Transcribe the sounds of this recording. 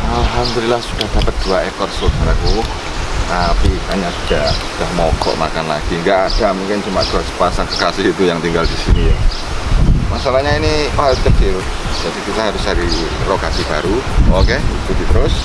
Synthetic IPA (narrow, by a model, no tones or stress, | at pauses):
ʔalɦamd̪olilahsud̥ahd̥apət̪̚d̪̥uaekɔrsodaɾaku | t̪apikaɲasud̥ahsud̥ahmɔkɔ̰ʔma̰kanla̰ɡ̥iŋɡaʔad̥amuŋkɪnd͡ʒəmaʔd̪̥uasə̥pasaŋkəkasɪhit̪ujaŋt̪iŋɡaldisinija | masalahɲainikɦaɾst̪əd̪̥iɾʊs | d̥asit̪isaɦaɾʊsaɾi | lokasib̥aɾuokeit̪ud̪it̪ɾʊs